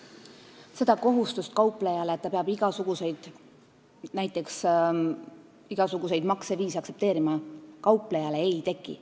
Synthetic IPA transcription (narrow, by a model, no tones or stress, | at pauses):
se̞d̪̥ɑko̞ɦust̪ust̪̚kɑwpˑlejɑle̞ːt̪ːɑpeɑb̥iɡ̥ɑsuɡ̥use̞jd̪̥ | næjt̪ˑːe̞ks | iɡ̥ɑsuɡuse̞jd̪mɑkseviːsiɑkse̞p̚t̪eːɾimɑkɑwple̞jɑleejt̪e̞kˑːḭ